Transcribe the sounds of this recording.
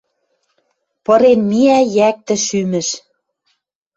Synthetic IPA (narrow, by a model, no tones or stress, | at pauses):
pɤ̆ɾenmiæjæk̚t̪ɘ̆ʃymɘ̆ʃ